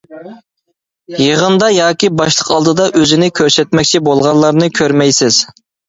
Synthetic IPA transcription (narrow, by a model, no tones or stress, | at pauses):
jeʁənd̪ɑjɑːkʲibɑʃlˠəqʰɑlˠd̪ɨd̪ɑʔøzɪnɪkʲʰøɾsɛt̪mɛkʲt͡ʃʰibolˠʁɑnlˠɑɾnɨkʲʰøɾmɛjsɪz̥